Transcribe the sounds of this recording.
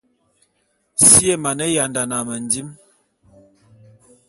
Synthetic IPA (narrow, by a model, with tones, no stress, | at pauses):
si˦e˦˨ma˨nə˦ja˨nda˨na˨mə˨ndi˦m